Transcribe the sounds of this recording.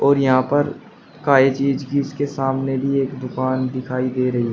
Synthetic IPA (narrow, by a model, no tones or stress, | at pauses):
ɔːɾjɐɦãpɐɾ | kaːet͡ʃiːd͡ʒkiɪskesaːmnebʱieːkd̪ʊkaːnd̪ɪkʰaːid̪eːɾɐɦiɦɛ